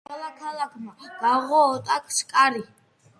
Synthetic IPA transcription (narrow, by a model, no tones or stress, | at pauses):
ɛlakʰalˠakʰmaɡ̥aʁɔːt̪ʼakʰskʼaɾi